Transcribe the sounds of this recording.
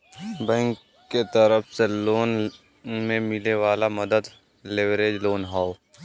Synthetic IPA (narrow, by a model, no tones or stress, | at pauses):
bɛ̃ːŋkː | et̪əɾəfseloːn | mẽmɪleʋaːlamɐd̪əd̪ | leʋɾeːd͡ʒloːnɦaːo